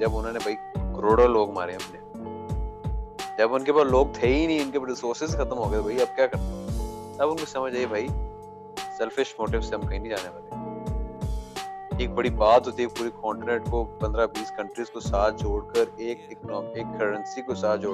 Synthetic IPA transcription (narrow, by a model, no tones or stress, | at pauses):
d͡ʒɐbʊnõːnebʱaːi | kəɾoːɽaloːɡma̰ːɾeɦɛ̃mne | d͡ʒɐbʊnkepaːɾloːɡ̚t̪ʰeːinĩʊnkebɐɾɪsoːɾsɪsxɐt̪əmɦoːɡet̪obʱaːiɐb̚kjaːkɐɾt̪e | ɐbʊnkosɐməd͡ʒʱaːiebʱaːi | sɛlfɪʃmoːʈɪʋsːeɦɐmkɐɦĩnĩd͡ʒaːneʋaːle | eːk̚bɐɽibaːt̪ɦoːt̪iɛpuːɾikɔːɳʈɪneʈkopɐ̃nd̪ɾabiːskɐ̃ɳʈɾizkosaːt̪̚ʰd͡ʒoːɽkəɾeːk̚ɪknɔːkeːkʰːəɾə̃nsikosaːt̪ʰd͡ʒoː